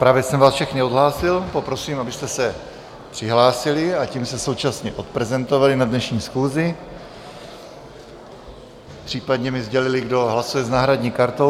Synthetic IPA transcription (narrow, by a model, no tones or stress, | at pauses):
pɾaːvjɛsɛmvaːsfʃɛxnɪodɦlaːsɪlpo̞pɾo̞siːmʔabɪst̪ɛsɛ | pr̥ɪɦlaːsɪlɪaciːmst̪ɛso̞wt͡ʃasɲɛʔo̞t̪̚pɾɛzɛnt̪ovalɪnadnɛʃɲiːsxuːzɪ | pr̥iːpad̪ɲɛmɪzɟɛlɪlɪɡdo̞ɦlasujɛznaːɦɾadɲiːkaɾt̪o̞